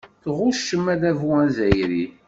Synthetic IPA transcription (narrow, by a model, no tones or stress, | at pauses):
θʁuʃəmːæðævuæzæjɾi